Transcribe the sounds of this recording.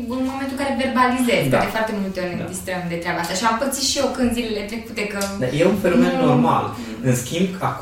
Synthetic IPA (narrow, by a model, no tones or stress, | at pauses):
ɨnmo̞ment̪uɨ̃kaɾeverbalizezd̪a̰d̪efart̪e̞mult̪eoɾed̪ist̪ɾəmd̪et̪ɾeabast̪aʃiampət̪siʃio̞kənzilele̞t̪ɾe̞kut̪ekəd̪ajeunfenome̞nːo̞rma̰l | ɨnskʲimbak